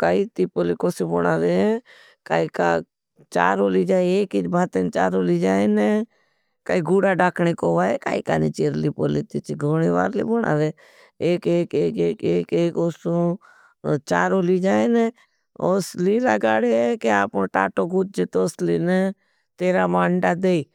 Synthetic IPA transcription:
kaːiːt̪iːpoːlikoːsibonaːd̪e | kaːika̰ː | t͡ʃa̰ːɾoːlid͡ʒaːeeːkit͡ʃbʱaːt̪ent͡ʃaːɾoːlid͡ʒaːene | kaːiɡuːɽaɖaːkʰnekoːʋaːeka̰ːḭka̰ːneːt͡ʃeːɾliːpoːliːt̪it͡ʃɡʱoːɽeːʋa̰ːɾlḭːboɽa̰ːd̪eː | eːkeːkeːkekeːkeːkoːsõː | t͡ʃaːɾoːliːd͡ʒaːene | oːsliːlaːɡaːɽekeaːpõʈa̰ːʈoːɡʊt͡ʃ̚d͡ʒet̪oːsliːne | t̪eːɾaːmaːɳɖad̪eːi

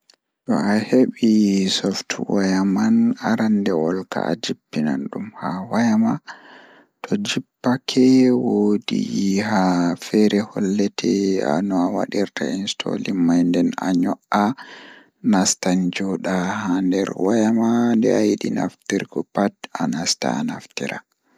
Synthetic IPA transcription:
ɗɔaheɓisɔftwajamanaɾandɛwɔlka̰ad͡ʒipːina̰nɗumhawajama | tʰɔd͡ʒipːakʰɛwodihafɛɾɛhɔlːɛtʰɛa̰nɔawa̰ɗiɾtainstʰo̰limːajndɛna̰ɲɔʔa | nastand͡ʒɔɗahandɛɾwajamandɛ̰ajiɗina̰ftiɾɡɔpatanasta̰naftiɾa

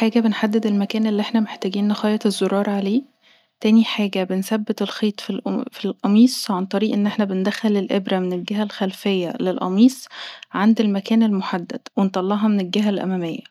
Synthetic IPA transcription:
ħaːɡæbenħad̪ːed̪elmækæːnelːiʔeħnæmeħt̪æːɡiːnnːexɑːjɑt̪ezːoɾˤɑːɾˤɑʕaleː | t̪æːniħaːɡæbensæbːet̪elxiːt̪ˤfilfilʔɑmiːsˤʕant̪ˤɑɾiːʔenːʔeħnæbend̪æxælelʔebɾæmenelɡæɦælxælfejːælelʔɑ̰miːsˤʕand̪elmækæːnelmoħad̪ːæ̰d̪̥went̪ˤɑlːɑʔɦɑmenelɡæɦælʔæ̰mæmejːæ

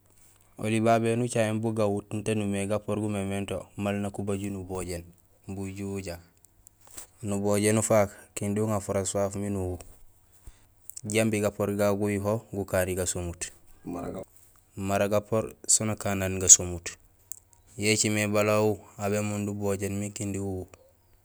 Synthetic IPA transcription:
o̰libabenut͡ʃaembuɡawutn̩tanumeɡapoɾɡumementomalnakubaɟunuboɟen | buɟuwuɟa | nuboɟenufakkinduŋafuɾaswafminuwu | ɟambiɡapoɾɡaɡujiɦoɡukaɾiɡasomut | maɾaɡapoɾsonakananɡasomut | jet͡ʃimebalawuaβemunduboɟenmikindiwuwu

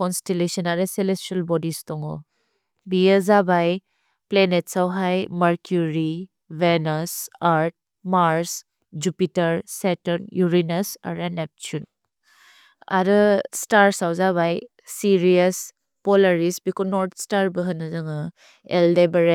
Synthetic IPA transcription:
kɔnstelesɔnaɾɯselestalbɔdistɔŋɔ̰ | biəzabaj | plenetsawɦajmaɾkjuɾi | venɔsaɾt̚ | maɾs | d͡ʒupitɐɾsetɔɾnjuɾinasa̰ɾanep̚t͡ʃun | a̰ɾɯstaɾsawzaβaj | siɾiɐs | pɔlaɾisbikɔnɔɾtstaɾbəɦɯnɯzɯŋɯ | ḛldebɐɾe

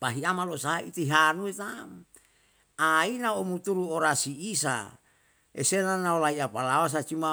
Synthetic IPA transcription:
paɦiamalosaɦait̪iɦanuet̪am | ainaomut̪uɾuoɾasiːsa̰ | ḛsenanaolaiapalawas̬at͡ʃima

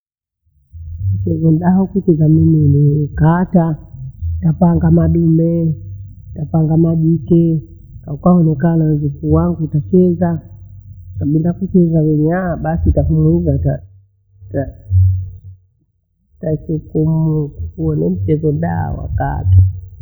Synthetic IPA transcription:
m̩t͡ʃɛzɔn̩ɗaɔkut͡ʃɛzamiminikaːta | tapaŋɡamaɗumɛ | tapaŋɡamaʄikɛ | kakwaɔnɛkanazukuwaŋɡutat͡ʃɛza | kaɓiliakut͡ʃɛzawɛniaɓasitafumuizata | ta | tasukumukuuɔnɛm̩t͡ʃɛzɔnɗa̰wa̰ka̰ta

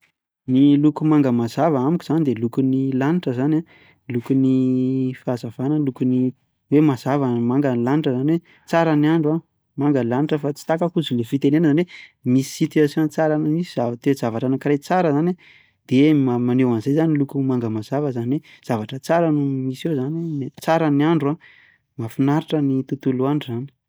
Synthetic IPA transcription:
nilukumaŋɡəmazavaamikʲuzanid̪elukunilaniʈ͡ʂəzana | lukunifazavanəlukuni | wemazavamaŋɡənlaniʈ͡ʂəzaniwe | t͡saɾanaɳɖ͡ʐwa | maŋɡəlaniʈ͡ʂəfat͡si̥t̪akakuzulefit̪enenəzanwemisi̥sit̪easeant͡saɾanəmisizavat̪ezavaʈ͡ʂanakiɾejt͡saɾəzana | d̪̥emamanewanzejzanilukumaŋɡəmaz̥avəzaniwez̥avaʈ͡ʂət͡saɾanumisezanwenet͡saɾənaɳɖ͡ʐua | mafinaɾiʈ͡ʂənit̪ut̪uluaɳizani̥

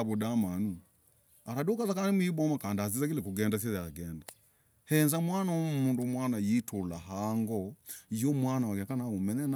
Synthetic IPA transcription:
βudamanu | aɾadokazakananimuibɔmakandaazizaɡilɛkuɡɛndas̬iaɡɛnda | hɛnzamwanaomundomwanajitʰolaɦaŋɡɔijɔmwanawaɡɛkanaumɛnɛn

